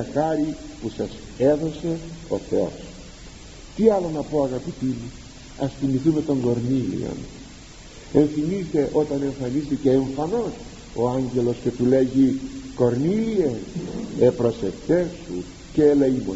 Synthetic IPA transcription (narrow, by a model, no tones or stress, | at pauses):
ɐxɐɾipusɐs | e̞ðo̞se̞o̞θe̞o̞̰s | t̪iɐlo̞nɐpo̞ɐɣɐpit̪imu | ɐsθimiθume̞t̪o̞ŋɡo̞ɾnilḭo̰n | e̞ɱθimist̪e̞ʔo̞t̪ɐne̞ɱfɐnist̪ece̞ːɱfɐno̞s | o̞ɐɲɟe̞lo̞sce̞t̪ule̞ʝiko̞ɾnilienepɾo̞se̞ft̪e̞sṵ | ceːleimon